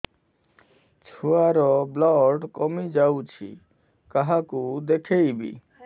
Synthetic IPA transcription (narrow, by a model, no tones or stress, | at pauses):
t͡ʃʰuaɾɔblɔɖkɔmid͡ʒawt͡ʃʰḭ | kaɦakud̪ekʰejbḭ